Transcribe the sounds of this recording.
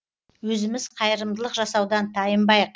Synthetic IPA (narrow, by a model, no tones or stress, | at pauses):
wɵzɪmɪzqʰɑjəɾəmd̪əlˠəqʒɑsɑwd̪ɑnt̪ʰɑjəmbɑjəq